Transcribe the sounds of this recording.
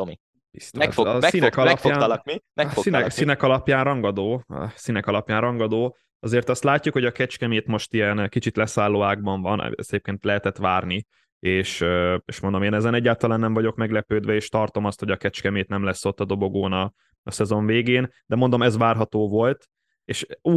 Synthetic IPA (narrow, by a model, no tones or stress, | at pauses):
t̪omi | bist̪oa̰finɛkɒlɛɒpaːnliɛsinɛsinɛkɒlɒpjaːnrɒŋɡɒd̪o̰ːsinɛkɒlɒpjaːnrɒŋɡɒd̪oː | ɒzeːrt̪ɒst̪laːcːukho̞ɟɒkɛt͡ʃkɛmeːt̪mo̞ʃt̪ijɛnkit͡ʃit̪lɛsaːlːoːaːɡ̚bɒɱvɒn̰ɛ̰sɛeːpkeːnt̪lɛɦɛt̪ɛt̪ʋaːrni | eːʃøeːʃmo̞nd̪omeːnɛzɛnɛɟːaːlt̪ɒlaːnːɛɱvɒɟo̞kmɛɡlɛpøːd̪ʋɛeːʃt̪ɒrt̪o̞mɒst̪ho̞ɟɒkɛt͡ʃkɛmeːt̪nɛmlɛsːo̞t̪ːɒd̪o̞bo̞ɡoːnɒ | ɒsɛzo̞ɱveːɡeːnd̪ɛmo̞nd̪o̞mɛzʋaːrɦɒt̪oːvo̞lt̪ | eːʃu